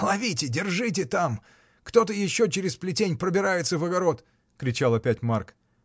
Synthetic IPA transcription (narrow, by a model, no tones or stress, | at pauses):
lˠɐvʲitʲɪdʲɪrʐɨt̬ʲɪt̪am | kt̪o̞t̪̬əjɪɕːo̞t͡ɕɪɾʲɪsplʲɪtʲenʲpɾəbʲɪɾajɪt̪səvəɡɐɾo̞t̪ | kɾʲɪt͡ɕalˠɐpʲætʲmark